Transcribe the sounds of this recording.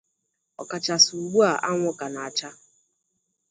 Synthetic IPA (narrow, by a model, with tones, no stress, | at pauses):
ɔ˨ka˨t͡ʃa˨su˨u˨ɡ͡bu˦a˨ʔa˦ŋʷʊ˦ka˨na˨a˨t͡ʃa˦